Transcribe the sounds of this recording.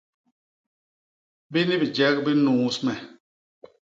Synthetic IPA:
bi˦ni˦bi˨d͡ʒɛ˦k̚bi˦nuː˨˦smɛ˨

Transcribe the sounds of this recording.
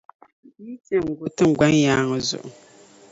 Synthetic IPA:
mi˦tɛ˨ŋ̩˨ɡʊ˦tɨ˦ŋ˨ɡ͡ba˦ɲ˦jaː˦ŋɨ˨zʊ̰˨ʔʊ˨

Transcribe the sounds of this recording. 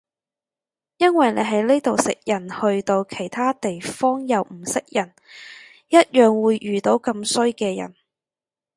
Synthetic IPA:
jɐ˥nwɐ˨jne˨˧ɦɐ˨˥jleː˥t̪o˨wsɪ̰˨k̚jɐ˨˩nhɵ˧ɥt̪o˧wkʰe˨˩jt̪ʰaː˥t̪e˨jfɔː˥ŋjɐ˨˧wm̩˨˩sɪ˨k̚jɐ˨˩n | jɐ˥t̚jœː˨ŋwuː˨˧jʔyː˨t̪o˨˧˥wkɐ˧msɵ˥ɥkɛː˧jɐ̰˨˩n

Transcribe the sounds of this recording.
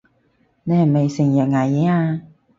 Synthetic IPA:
ne˧hme˨˩jsɪ˨˩ŋjɐ˨˩ŋaː˨˩jɛː˨˥aː˧

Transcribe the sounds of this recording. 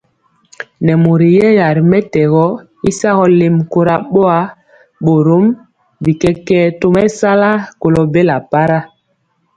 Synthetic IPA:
nɛ˨mo˨ɾi˨jɛ˦ja˨ɾi˨mɛ˦tɛ˨ɣɔ˦ | i˦sa˦ɣɔ˦le˨mko˦ɾa˦ɓo˦a˦ | ɓo˨ɾo˦m | bi˨kɛ˦kɛː˦to˦mɛ˦sa˦la˦ko˨lɔ˨be˦la˨pa˦ɾa˦

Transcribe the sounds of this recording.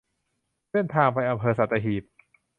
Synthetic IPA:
se˥˩nt̪ʰaː˧ŋpa˧jʔa˧mpʰɤː˧sa˨˩t̪ːa˧ɦiː˨˩p̚

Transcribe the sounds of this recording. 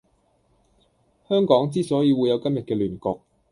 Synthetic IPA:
hœː˥ŋkɔː˨˥ŋt͡siː˥sɔː˨˥jiː˨˧wuː˨˧jɐ˨˧wkɐ˥mjɐ˨t̚kɛː˧lyː˨˩nkɔː˧k̚

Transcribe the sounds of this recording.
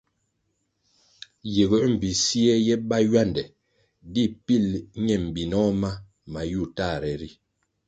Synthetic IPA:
je˨ɣə˨˦m̩˨bi˨si˦ɛ˦jɛ˦ba˦jwa˦˨ndɛ˨ | di˦˨pi˦˨lɲɛ˨m̩˨bi˨nɔ˦ma˦ | ma˨ju˦˨ta˦˨ɾɛ˨ɾi˦

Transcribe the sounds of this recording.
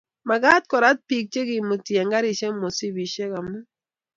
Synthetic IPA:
ma˨ɡa˦t̚kɔ˨ɾa˦t̚pi˨k̚t͡ʃe˦ɡɪ˨mo˨tje˨ŋɡa˦ɾi˨ʃe˦mo˨si˦bi˨ʃe˦ka˨mɛ˦

